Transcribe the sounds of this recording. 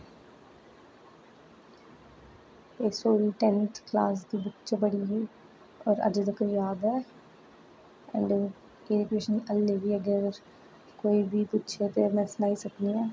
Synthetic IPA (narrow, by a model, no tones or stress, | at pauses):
eːsoːɾiːʈɛ̃nt̪ʰklaːs̬d̪iːbətːt͡ʃeːbəɽiːɦeː | ɔːɾə̰d͡ʒd̪əkəjaːd̪ɛː | ɛ̰̃ɳɖ | eːɾkɾɪʃniːʔəlːeːʋiːəɡəɾ | koːiːbʱipɪtːʃʰet̪eːmɛ̃ːsənaːiːsəkd̪iːɛː